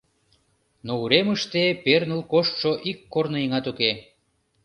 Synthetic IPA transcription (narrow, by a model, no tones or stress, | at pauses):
nouɾeməʃt̪epernolkoʃt̪ʃoʔikːornojiŋɑt̪uke